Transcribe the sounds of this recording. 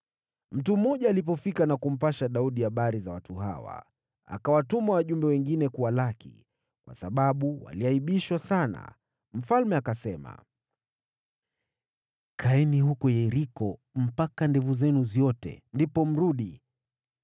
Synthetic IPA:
m̩tum̩ɔʄaːlip̬ɔfikanakum̩paʃaɗauɗiaɓaɾizawatuɦa̰wa̰ | a̰kawatumawaʄumbɛwɛŋɡinɛkuwalakḭ | kwa̰saɓaɓuwa̰liaiɓiʃwasana̰ | m̩falmɛakasɛma̰ | kʰaɛnihukɔjɛɾikɔ | m̩pakandɛvuzɛnuziɔtɛ̰ndipɔm̩ɾuɗi

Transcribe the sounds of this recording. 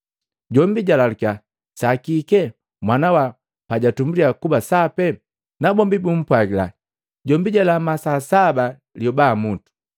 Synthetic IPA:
ɟɔmbiɟalaluka | sakikɛ | mwanawa | paɟatumbuliakubasapɛ | nabɔmbibum̩pwaɡila̰ | ɟɔmbiɟalamasasaba | ljɔbamutu̥

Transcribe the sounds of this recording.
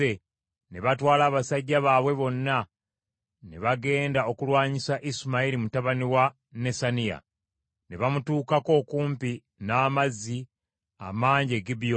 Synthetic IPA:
e | ne̞βatwaːlaːβasaɟːaβaːβwe̞βo̞nːa | ne̞βaɡe̞ːndao̞kulwaːɲisaʔismailimutaβaniwa | ne̞sanija̰ | ne̞βamutuːkako̞ːkuːmpi | naːmazːi | a̰maːɲɟe̞ɡibijo

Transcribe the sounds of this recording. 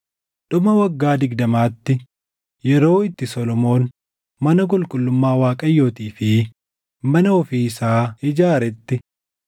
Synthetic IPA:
ᶑʊmɐwɐɡːaːd̪ɪɡd̪ɐmaːt̪ːɪ | jɛɾo̞ːɪt̪ːɪsɔlɔmo̞ːn | mɐnɐk̬ʼʊlkʼʊlːʊmːaːwaːkʼɐjːoːt̪iːfɪ | mɐnɐɔfiːsaːɪd͡ʒaːɾɛt̪ːɪ

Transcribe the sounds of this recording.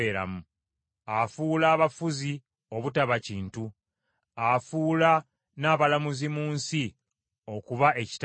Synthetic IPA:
eːɾa̰mu | afuːlaːβafuzi | o̞βutaβaciːntu | afuːla | naːβalamuzimuːnsi | o̞kuβae̞ci̥t

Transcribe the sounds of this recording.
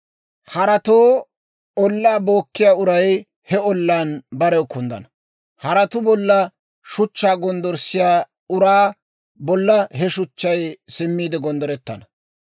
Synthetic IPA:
hɐɾɐt̪oː | ɔlːaːbo̞ːkːɪjaːʊɾɐj | hɛɔlːaːnbɐɾɛkːʊnd̪ɐ̰nɐ | hɐɾɐt̪ʊbɔlːɐ | ʃʊt͡ʃːaːɡɔnd̪ɔɾsɪjaː | ʊɾaː | bɔlːɐɦɛʃʊt͡ʃːɐjsɪmːiːd̪ɛɡɔnd̪ɔɾɛt̪ːɐnɐ

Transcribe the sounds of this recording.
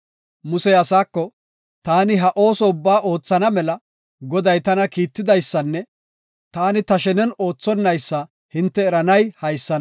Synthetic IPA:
mʊsɛɐsaːkːɔ | t̪aːnɪɦɐʔo̞ːsɔʊbːaːʔo̞ːt͡sːɐnɐmɛlɐ | ɡɔd̪ɐjt̪ɐnɐkiːt̪ːɪd̪ɐjsːɐnːɛ | t̪aːnɪt̪ɐʃɛnɛno̞ːt͡sːɔnːɐjsːɐ | hɪnt̪ːɛːɾɐnɐjhɐjsːɐn

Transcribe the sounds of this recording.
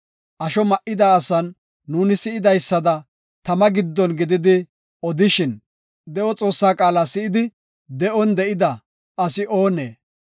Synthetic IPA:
ʔɐʃɔmɐʔɪd̪aːsɐnː | uːnɪsɪɪd̪ɐjsːɐd̪ɐ | t̪ɐmɐɡɪd̪ːɔnɡɪd̪ɪd̪ɪ | ɔd̪ɪʃɪn | d̪ɛʔɔt͡sʼo̞ːsːaːkʼaːlaːsɪɪd̪ɪ | d̪ɛʔɔnd̪ɛʔɪd̪ɐ | ʔɐsɪʔo̞ːnḛː

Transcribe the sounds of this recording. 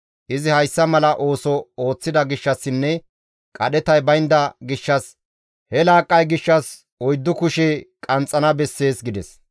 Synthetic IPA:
ʔɪzɪhɐjsːɐmɐlɐʔo̞ːsɔoːt͡sːɪd̪ɐɡɪʃːɐsːɪnːɛ | kʼɐɗɛt̪ɐjbɐjnd̪ɐɡɪʃːɐs | hɛlaːkʼːɐjɡɪʃːɐs | ɔjd̪ːʊkʊʃekʼɐnt͡sʼːɐnɐbɛsːe̞ːsɡɪd̪ɛs

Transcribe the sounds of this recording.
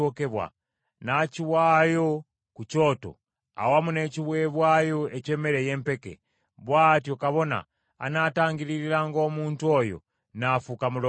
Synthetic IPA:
okɛβwa̰ | nat͡ʃiwajo | kut͡ʃɔtɔ̰ | a̰wamunet͡ʃiβwɛβwajoɛt͡ʃɛmɛɾɛjɛmpɛkɛ̰ | βwatiɔkaβɔna̰ː | nataŋɡiliɾilaŋɡomuntuɔjɔ̰ | nafukamulɔ

